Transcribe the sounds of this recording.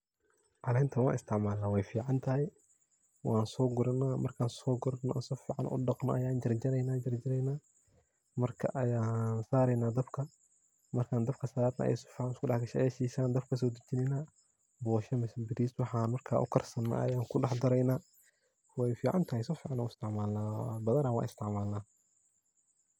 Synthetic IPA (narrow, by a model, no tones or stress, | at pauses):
ʕalɛɪnt̪ʰɐwãːnɪst̪ʰɪʕmaːlːɐwɛjfiːʕɑnt̪ʰɐɦɛj | waːnsɔːɡʊɾɐnːaːmɐ̰rkʰaːnsɔːɡʊɾnansɔːfiːʕa̰nʔʊ̰ɖɑqnɐ̰ʔɐjaːnd͡ʒɐɾd͡ʒɐɾɛjnaːd͡ʒɐɾd͡ʒɪɾɛjnaː | mɐrkʰɐ̰ʔɐjaːnsaːɾɛjnaːd̪ɐbkʰɐ | mɐrkʰaːnd̪ɐb̚kʰɐsɐaːd̪nɐ̰ʔɐ̰ja̰sɔ̥fiːʕanɪskʊdɑħɡɐʃɛʔjɛʃiːsaːnd̪ɐbkʰɐs̬ɔːd̪ɐd͡ʒɪnɪnaː | bɔːʃɐmɐsbɪɾiːswɑħaːnmɐrkʰaːʔʊ̰kʰɐrsɐnːa̰ːʔɐ̰jaːŋkʰʊɖɑħd̪ɐɾɛjnaː | wɛjfiːʕa̰nt̪ʰɐhɛjsɔːfiːʕɑnɔːʊɪst̪ʰɪʕmaːlnaːbɐðɐɾaːnwɑ̰ːnɪst̪ʰɪʕmaːlnaː